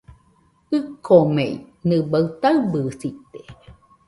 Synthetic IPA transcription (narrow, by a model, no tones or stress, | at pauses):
ɨkʰomeinɨbawt̪aɨbɨːsit̪e̥